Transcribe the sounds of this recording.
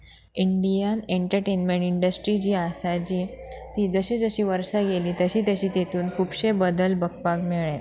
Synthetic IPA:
iɳɖijəneɳʈəɾʈenmeɳʈiɳɖəsʈɾid͡ʑiːasad͡ʑiːt̪iːd͡zəɕid͡zəɕiːʋəɾʂaɡeliːt̪əɕiːt̪əɕiːt̪et̪uːnkʰuːpɕebəd̪əlbəkpakmeɭẽ

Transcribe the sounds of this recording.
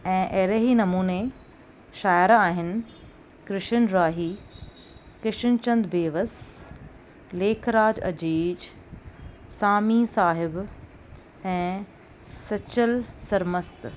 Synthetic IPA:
ɛ̃ːʔɐɦɪɾəɦinɐmuːne | ʃaːjəɾaːɦɪnɪ̆ | kɾɪʃənɾaːɦiː | kɪʃənt͡ɕɐ̃nd̪beːʋəs | leːkʰɾaːd͡ʑɐ̰d͡ʑiːd͡ʑ | saːmisaːɦɪb | ɛ̃ː | sɐt͡ɕəlsɐɾməst̪

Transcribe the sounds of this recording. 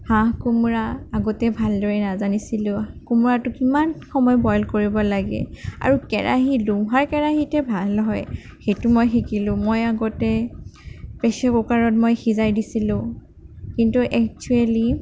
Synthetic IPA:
hãkumuɹaaɡɔtɛbʱaldɔɹɛnazanisilʊ̃kumuɹatʊkimanxɔmɔjbɔjlkoɹibɔlaɡɛ̰a̰ɹukɛɹʔa̰ɦilumɦaɹkɛɹaɦitɛbʱalɔɦɔj | xejtumojxikilʊ̃mojaɡɔtɛ | pɛsɛbukaɹɔt̚mojxizajdisilʊ̃ | kintuʔɛk̚t͡ʃuɛli

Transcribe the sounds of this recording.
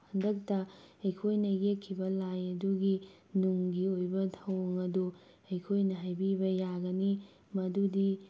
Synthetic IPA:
pʰɐndɐk̚tɐɐjkʰojnɐɡekʰːibɐlajɐduɡi | nuŋɡiojbɐtʰɐwɐŋɐdu | ɐjkʰojnɐɦajbibɐjaɡɐni | mɐdudi

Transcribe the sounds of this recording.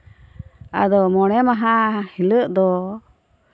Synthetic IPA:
a̰d̪ɔmɔɽ̃ɛmaɦahiləʔd̪ɔ

